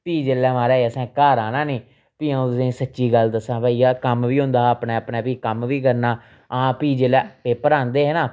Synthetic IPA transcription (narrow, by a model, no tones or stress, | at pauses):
piːd͡ʒelɛːmaːɾɛːeːəsɛ̃ːkaːɾãːnãːnĩː | piːãːẽːsətːʃiːɡəld̪əsãːbaːijaːkəmʋiːɦʊ̃nd̪aːəpneːəpneːpiːkəmʋiːkəɾnaː | ãːpiːd͡ʒelɛːpeːpəɾãːnd̪eːɦɛnãː